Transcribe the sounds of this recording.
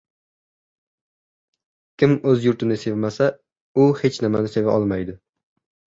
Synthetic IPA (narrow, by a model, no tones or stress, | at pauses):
kʲʰɪmɵzjʊɾt̪ʰɪnɪse̞vmasa | ʊhe̞t͡ʃnɪmanɪse̞vaʔɒlˠmajd̪ɪ